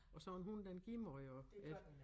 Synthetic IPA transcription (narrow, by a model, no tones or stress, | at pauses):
ɒ̽sɒnɦund̥enɡ̥imɒjoe